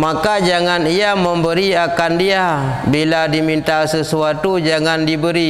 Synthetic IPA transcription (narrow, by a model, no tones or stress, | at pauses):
makad͡ʒaŋaniamə̃mbəɾiakandia | biladimint̪asəsuat̪ud͡ʒaŋandibəɾi